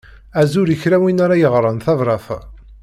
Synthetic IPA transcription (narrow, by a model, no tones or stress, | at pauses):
æzʊɾiçɾæwinaɾajəʁɾˤɑnθævɾˤɑf